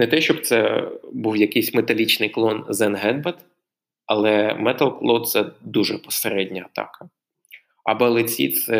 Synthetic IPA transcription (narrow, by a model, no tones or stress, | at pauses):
nɛt̪ɛʃt͡ʃɔbt̪sɛbuwjɐkɪjsʲmet̪ɐlʲit͡ʃnɪjklˠɔnzɛnɦɛd̪̚bɛt̪ | ɐlˠɛmɛt̪ɐlˠklˠɔt̪̚t̪sɛd̪uʒɛpɔ̥seɾɛdʲnʲɐɐt̪ɑ̰kɐ | ɐ̰bɔlˠɪt͡sʲḭt̪sɛ